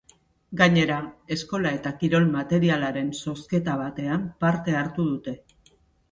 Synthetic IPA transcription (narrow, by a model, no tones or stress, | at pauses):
ɡaɲe̞ɾae̞sko̞lae̞t̪akiɾo̞lmat̪e̞ɾialaɾe̞nso̞ske̞t̪aβ̞at̪e̞ampaɾt̪e̞aɾt̪uð̞ut̪e̞